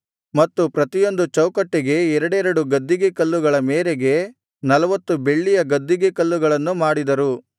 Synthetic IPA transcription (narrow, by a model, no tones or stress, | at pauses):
mɐt̪ːupɾɐt̪ijo̞nd̪ut͡ʃɐwkɐʈːeɡe̞ɛɾɐɽɛɾɐɽuɡɐd̪ːiɡekɐlːuɡɐɭɐmeːɾeɡe̞ | nɐlɐʋɐt̪ːube̞ɭːijɐɡɐd̪ːiɡekɐlːuɡɐɭɐnːumaːɽid̪ɐɾu